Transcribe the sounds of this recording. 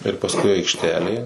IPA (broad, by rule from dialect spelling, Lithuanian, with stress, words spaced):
ɪr pɐsˈkʊɪ ɐɪkʃʲˈtʲæːlʲeː